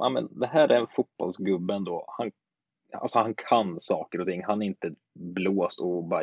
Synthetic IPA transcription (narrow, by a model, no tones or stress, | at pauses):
næ̰mɛ̰nd̪ɛɦæːɾʔæɾɛnfʊt̪̚b̥ɔ̰lsɡɵbːəɛnd̪oːhan | a̰lsɔhankʰansɑːkəɾɔt̪ʰɪŋːɦanæɾɪnt̪ə | bloːst̪ɔbɑ